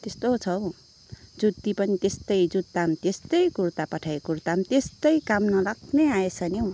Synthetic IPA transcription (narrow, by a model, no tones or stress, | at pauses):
t̪est̪ot͡sʰʌw | d͡zud̪ːipʌnit̪est̪ʌjd͡zud̪̚amt̪est̪ʌjkurt̪apʌʈʰaekurt̪amt̪est̪ʌjkamnʌlakʰneaesʰʌnew